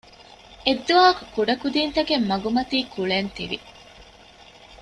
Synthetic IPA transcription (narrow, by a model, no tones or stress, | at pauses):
ed̪ːuʋaːku̥kuɖɐkud̪iːnt̪ɐɡemːɐɡumɐt̪iːkuɭent̪ḭʋḭ